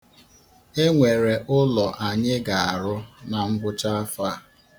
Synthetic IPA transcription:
e˦ŋʷe˨ɾe˨ʔʊ˦lɔ˨ʔa˨ɲɪ˦ɡa˨a˨ɾʊ˦na˨ŋ͡m̩˦ɡ͡bʷʊ˦t͡ʃa˦fa˦˨

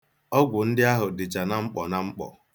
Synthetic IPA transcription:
ɔ˦ɡʷʊ˨n̩˦dɪ˦a˦ɦʊ˨dɪ˨t͡ʃa˨na˦ŋ͡m̩˦k͡pɔ˨na˨ŋ͡m̩˦k͡pɔ̰˨

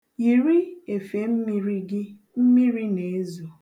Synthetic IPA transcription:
ji˨ɾi˦e˨fe˨˦m̩˦mi˦ɾi˦ɡɪ˦ | m̩˦mi˦ɾi˦ne˨e˦zo˨

